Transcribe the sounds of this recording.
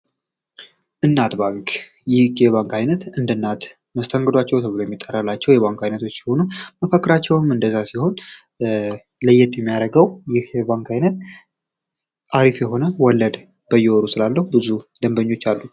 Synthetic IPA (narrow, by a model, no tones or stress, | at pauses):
ʔɨnːat̪baŋk | jɪhkɛβaŋkajnət̪ɨnd̪ɨnːat̪ | məst̪ʰəŋɡəd̪wat͡ʃːɛwt̪ʰəβlojɛmːit̪ʼːərːalːat͡ʃːɛwjɛβaŋkajnət̪ʰo̞t͡ʃːsiho̞numəfəkːɾat͡ʃːɛwmɨnd̪əzasiho̞n | ləjːɛt̪jɛmːijaɾəɡəwjɪhbaŋkajnət̪̚ | aɾifjɛɦo̞nəwɔlːəd̪ | b̥əjɛwɔɾusɨlalːəhubɨzud̪əmbəɲːo̞t͡ʃːalːu